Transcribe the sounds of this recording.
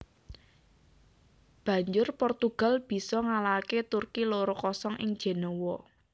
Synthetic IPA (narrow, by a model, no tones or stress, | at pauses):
b̥ä̤ɲd͡ʒʊrpɔrt̪uɡ̥a̤lb̥i̤sɔŋalaket̪urkiloɾɔkɔsɔŋɪ̰ŋd̥ʒ̥e̤nɔwɔ